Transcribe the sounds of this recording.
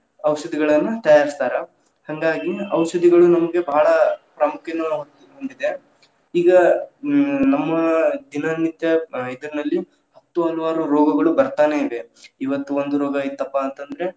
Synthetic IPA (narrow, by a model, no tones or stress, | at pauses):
ɐʋʃɐd̪iɡɐɭɐnːut̪ɐjaːɾist̪aːɾɐ | hɐŋɡaːɡiɐʋʃɐd̪iɡɐɭunɐmɐɡe̞bɐɦːɭɐpɾɐmukʰjɐnuɦot̪ːiɦoɳɖid̪e̞ | iːɡɐ | nɐmːɐd̪inɐnːit̪jɐid̪ɐɾinɐlːi | hɐt̪ːuɐluʋaːɾuɾɔːɡɐɡɐɭubɐɾt̪aːne̞iʋe̞iʋɐt̪ːuond̪uɾɔːɡɐit̪ːɐpːaːnt̪ɐnd̪ɐɾe̞